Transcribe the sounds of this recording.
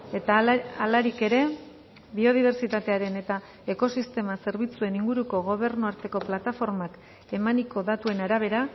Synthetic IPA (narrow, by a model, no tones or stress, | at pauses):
et̪aalaɾike̞ɾe̞ | βio̞ð̞iβ̞e̞ɾt͡sit̪at̪e̞aɾe̞ne̞t̪a | e̞ko̞sist̪e̞mase̞ɾβ̞it͡sue̞niŋɡuɾuko̞ɣ̞o̞β̞e̞ɾnuaɾt̪e̞ko̞plat̪afo̞ɾmak | e̞maniko̞ðat̪ue̞naɾaβ̞e̞ɾa